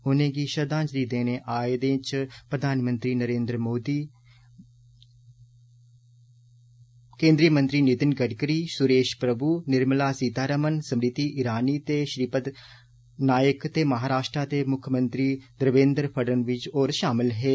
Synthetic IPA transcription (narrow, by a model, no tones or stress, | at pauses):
ʊnẽːɡiːʃəd̪ãːt͡ʃəɾiːd̪ẽːneːʔaːd̪ẽːt͡ʃpɾəd̪ʱaːnmə̃nt̪ɾiːnəɾẽːnd̪ɾmoːd̪iː | kẽːnd̪ɾiːəmə̃nt̪ɾiːnɪt̪ɪnɡəɖkəɾiːsʊɾeːʃpɾəbuːnɪɾmlaːsiːd̪aːɾəmənsəmɾɪt̪iːʔɪɾaːniːt̪eːʃɾiːpət̪ | naːjəkt̪eːməɦaːɾaːʃʈɾaːt̪eːmʊkʰːjəmənt̪ɾiːd̪əɾʋẽːnd̪ɾpʰəɖənʋɪt͡ʃoːɾʃaːmɪlɦeː